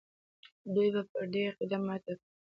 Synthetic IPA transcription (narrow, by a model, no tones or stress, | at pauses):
d̪ujbapəɖeɾqɪd̪amɑt̪ak